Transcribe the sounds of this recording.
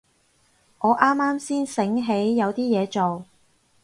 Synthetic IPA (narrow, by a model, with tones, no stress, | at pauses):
ŋɔː˨˧ʔaː˥mːaː˥msiː˥nsɪ˨˥ŋɦe˨˥jːɐ˨˧wt̪iː˥jɛː˨˧t͡so˨w